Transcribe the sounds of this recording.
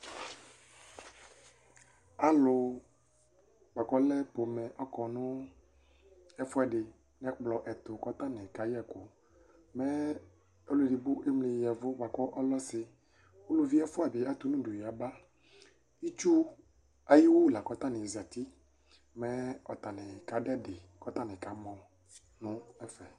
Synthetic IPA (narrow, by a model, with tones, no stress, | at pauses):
a˨lʊ˨ | ɡ͡ba˨kɔ˦lɛ˦po˨mɛ̃˨ʔɔ˦kɔ˨nʊ̃˦ | ɛ˦fʊ˦a˨ɖɪ˨ | nɛ̃˦k͡plɔ˨ʔɛ˨t̪ʊ˨kɔ˦t̪a˦nɛ̃˨ka˨jɛ˦kʊ˨ | mɛ˦ | o˦le˨di˨bʊ˦ʔe˦mlɪ˨jɛ˨vʊ˦ba˨kɔ˦ʔɔ˦lɔ˦sɪ˨ | wo˦lu˦vi˦ɛ˦fʊ˦a˨bɪ˨a˦t̪ʊ˦nũ˦du˨ji˨a˨ba˦ | i˦t͡ʃu˦ | a˨ji˦wo˦la˨kɔ˦t̪a˦nɪ̃˨za˨t̪i˦ | mɛ̃˦ɔ˨t̪a˨nɪ̃˨ka˨dɛ˦dɪ˨ | kɔ˦t̪a˦nɪ̃˨ka˨mɔ̃˨ | nʊ̃˦ɛ˦fɛ˨